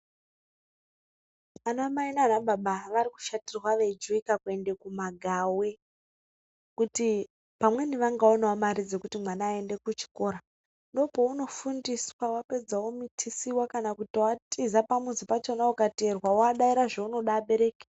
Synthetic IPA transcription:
anamainaːnaɓaɓaʋaɾiku̥ʃatirwaʋed͡ʒuikakue̞nde̞kumaɡʱawe̞ | kuti | pamwe̞niʋaŋɡaonawamaɾid͡zekutimwanaːe̞nde̞kut͡ʃi̥ko̞ːɾa | ndo̞po̞uno̞fundiswawape̞d͡zawo̞mitʰisiwakanakutiwatizapamuzipat͡ʃenaukaterwawaɗaiɾaʐeuno̞ɗaːɓe̞ɾe̞ːke̥

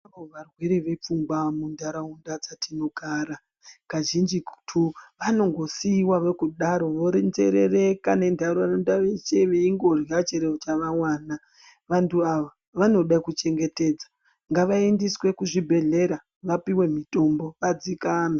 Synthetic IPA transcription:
aoʋarwe̞ɾeʋe̞p͡fumɡamundaɾaundad͡zatino̞ɡʱaːɾa | kaʒind͡ʒiktʰuʋano̞ŋɡo̞siːwaʋekuɗaɾo̞ʋond͡zḛɾere̞kane̞ndʱaɾoanondaʋet͡ʃeʋeiŋɡo̞rjat͡ʃeɾeot͡ʃaʋawaːna | ʋantʰuaʋa | ʋano̞ɗakut͡ʃe̞ŋɡe̞te̞ːd͡zḁ | ŋɡaʋaendiswe̞kuʐibʱe̞ɮe̞ɾa | ʋapiwe̞mito̞mbo̞ʋad͡zikaːna

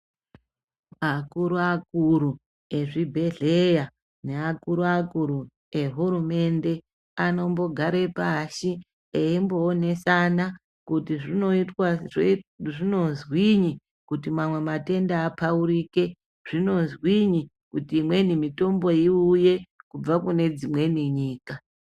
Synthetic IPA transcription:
akuɾuakuɾu | e̞ʐibʱe̞ɮe̞ja | ne̞akuɾuakuɾu | eɦuɾume̞nde̞ | ano̞mbo̞ɡʱaɾepaʃi | eimbo̞ːne̞sana | kutiʐinoitwaʐʐino̞zwiɲi | kutimamwe̞mate̞ndaːpauɾike̞ | ʐ̥ino̞zwiɲi | kutiːmwe̞nimito̞mbo̞iuje̞kub͡vakune̞d͡zimwe̞niɲiːka

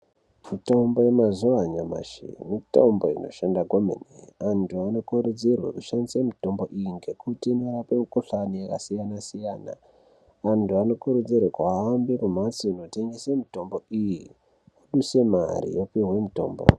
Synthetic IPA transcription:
mitoumbojemazuaɲama̰ʃḭmito̰mbo̞ino̞̰ʃandaɡʱomḛneantʰuano̞kuɾud͡zirwḛkuʃandisemito̞mbo̞ʔijiŋɡe̞kutinerapemikuɬanijakasijanasijaːna̰ | antuano̞kuɾud͡zirwekwaːmbikumat͡siːno̞te̞ŋɡesemito̞mbo̞iji | aɗuse̞ma̰ɾḭjopiɦwe̞mito̞ːmbo̰

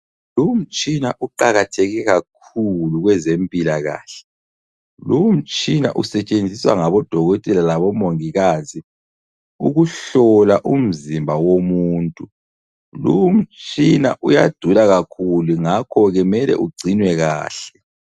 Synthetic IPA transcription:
lum̩t͡ʃʼinaʔuǃaɣatʰɛɣɛɣak̚ʰuluɣwɛzempʼilaɣa̰ːɬɛ̥ | lum̩t͡ʃʼina̰ʔusɛt͡ʃʼend͡zʱiswa̰ŋaβɔd̥ʱɔɣɔtʼɛlalaβɔmoŋiɣaːzi | uɣuɬɔlaʔum̩zimbʱawomuːntʼu | lum̩t͡ʃʼina̰ʔujad̥ʱulaɣakʰuluŋakʰɔɣɛmɛlɛ̰ʔuɡ͡ǀʱinwɛɣa̰ːɬɛ

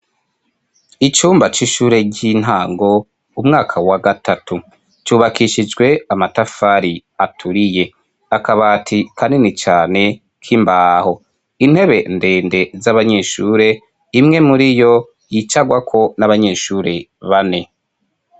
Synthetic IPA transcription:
it͡ʃuːmbat͡ʃiʃuːɾe̞ɟin̥ɦaːŋɡo̞ | umŋaːkʰawaɡatatu | t͡ʃuːβakiʃid͡ʒɡwe̞amatafaːɾiatʰuɾije̞ | akaβaːtʰikʰaninit͡ʃaːne̞ | kʰimbaːho̞ | in̥he̞βe̞nde̞ːnde̞zaβaɲe̞ːʃuːɾe̞ | imŋe̞muɾijo̞ | jit͡ʃaɡwakʰo̞naβaɲe̞ːʃuːɾe̞βane̞

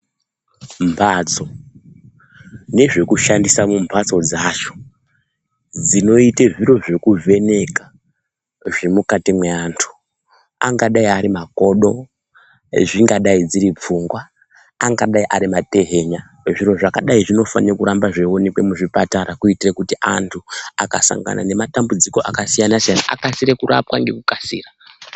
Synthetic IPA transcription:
mbao̞ | ne̞ʐe̞kuʃandisamumbʱat͡so̞d͡zat͡ʃo̥ | d͡zino̞iteʐiɾo̞ʐe̞kuvʱe̞ne̞ka | ʐe̞mukatimweaːntʰu̥ | a̰ŋɡaɗaiaɾimako̞ɗo̞ | ʐiŋɡaɗaid͡ziɾip͡fuŋɡwaː | ŋɡaɗaiʔaɾimate̞ɦe̞ɲa | ʐiɾo̞ʐakaɗaiʐino̞fa̰niokuɾambaʐewo̞nekwe̞muʐipataɾakuitirekutiʔantʰuaka̰sa̰ŋɡa̰na̰ne̞matambud͡ziko̞ʔakasijanasijanaʔa̰kasiɾekuɾa̰pwaŋɡe̞kukasḭːra

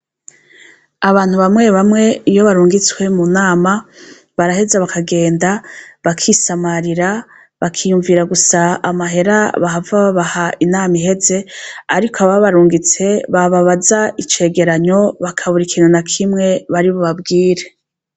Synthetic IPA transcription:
aβaːn̥huβamŋe̞βamŋe̞ijo̞βaɾuːŋɡit͡swe̞munaːma | βaɾahe̞zaβakʰaɡe̞ːndaβakʰisamaɾiɾa | βakʰijuɱviːɾaɡusaamaɦe̞ɾaβaɦavaβaβahainaːmiɦe̞ze̞aɾikʰoaβaβaɾuːŋɡit͡se̞βaβaβazait͡ʃe̞ːɡe̞ɾaɲo̞βakʰaβuɾikʰiːnhunakʰimŋe̞βaɾiβoβabɡiːɾe

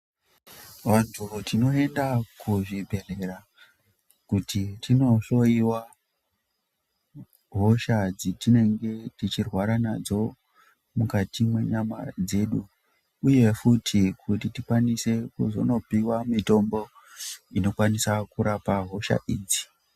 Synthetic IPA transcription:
wanturutino̞e̞ndakuʐibʱe̞re̞ra | kutitino̞ɬo̞iwa | ɦo̞ʃad͡zitine̞ŋɡe̞tit͡ʃirwaɾanad͡zo̞ | mukatimwe̞ɲama̰d͡ze̞ɗuː | je̞futʰikʰutitikwanise̞kuzo̞̰no̞piwamito̞mbo̞ | ino̞kwanisakuɾapaɦo̞ʃa̰ʔiːd͡zi̥

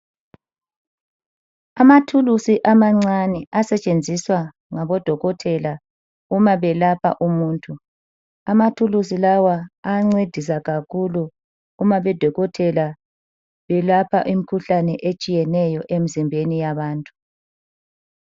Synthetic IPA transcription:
amatʰulusiʔamaŋ͡ǀanɛʔasɛt͡ʃʼend͡zʱiswa | ŋaβɔd̥ʱɔɣɔtʰɛla | umaβɛlapʰa̰ʔumuːntʼʰu | amatʰulus̬ilawaːŋ͡ǀed̥ʱis̬aɣakʰuluː | maβɛd̥ʱɔɣɔtʰɛla | βɛlapʰa̰ʔim̩kʰuɬanɛʔet͡ʃʼijɛnɛjɔʔem̩zimbʱenijaβaːntʼu̥

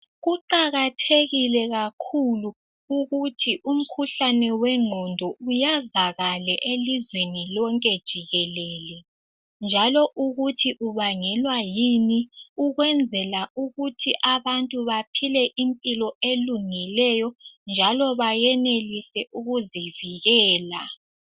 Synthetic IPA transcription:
ɣuǃaɣatʰeɣilɛɣakʰulu | uɣutʰiʔum̩kʰuɬanɛwɛŋ͡ǃʱɔndʱɔujazaɣalɛʔelizwenilɔŋkʼɛd̥ʒ̥ʱiɣɛlɛːlɛ | nd͡ʒʱalɔʔuɣutʰiʔuβaŋɛlwajiniuɣwɛnd͡zʱɛlauɣutʰiʔaβantʼuβapʰilɛʔimpʼilɔeluŋilɛjɔnd͡ʒʱalɔβajɛnelisɛʔuɣuziviɣɛːla

